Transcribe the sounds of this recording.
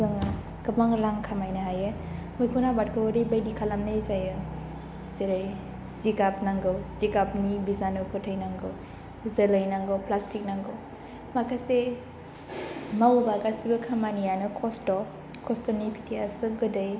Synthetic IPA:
zɯŋ | kɯbaŋɾaŋkʰamajnɯɦajɯmujkʰunabat̚kʰɯːɾibajdikʰalamnɯjzajɯ | zeɾaj | zikap̚naŋɡɯwzikap̚nibizanɯkʰɯtʰajnaŋɡɯw | zelajnaŋɡɯwplastik̚naŋɡɯw | makʰase | mawbaɡasibɯkʰamanijanɯkʰɔstɔ | kʰɔstɔnipʰi̥tʰiasɯɡɯdaj

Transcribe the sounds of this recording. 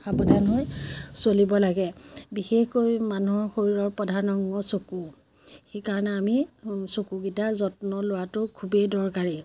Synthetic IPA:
xabɔdanɦojsolibɔlaɡɛbixexkojmanuɦɔɹxoɹiɹɔɹpɔdʱanɔŋɡɔsoku | xejkaɹɔnɛamisokuɡitaɹzɔtnɔlʊatʊkʰubedɔɹkaɹi

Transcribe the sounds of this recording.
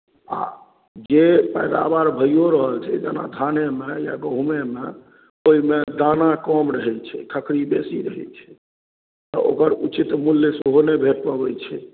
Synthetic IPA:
a̰ | d͡ʒepəjd̪a̰baɾbʱəjjoɾəɦəlt͡ʃʰɛ̰d͡ʒana̰d̪ʱanemeja̰ɡəɦumemḛ | oɦimed̪anakɔmɾəɦɛt͡ʃʰɛkʰəkʰɾibesiɾəɦɛ̰t͡ʃʰɛ̥ | t̪ɔo̰kəɾut͡ʃit̪mulːesoɦonebʱeʈ̚pəbɛt͡ʃʰɛ

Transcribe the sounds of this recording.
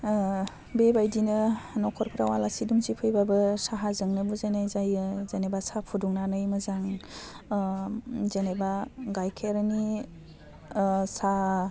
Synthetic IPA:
bebajdinɯnɔkʰɔɾpʰɾawalasiduŋsipʰɯjbabɯsaɦazɯŋnɯbuzanajzajɯzenebasapʰuduŋnanɯjmɯzaŋ | zenebaɡajkʰeɾni | sa

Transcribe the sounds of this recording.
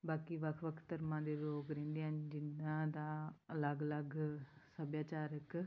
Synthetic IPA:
baːkiːʋəkʰʋəkʰt̪əɾmãːd̪eːloːɡɾẽːnd̪ejãːnd͡ʒɪnãːd̪aːələɡələɡsəbjaːt͡ʃaːɾək

